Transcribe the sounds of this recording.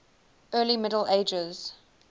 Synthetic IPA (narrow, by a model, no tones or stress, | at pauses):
ɜːlimɪdəl̩eɪd͡ʒəz̥